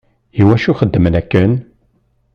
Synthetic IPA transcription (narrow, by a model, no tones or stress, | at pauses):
iwæʃuχəd̪ːəmənækːən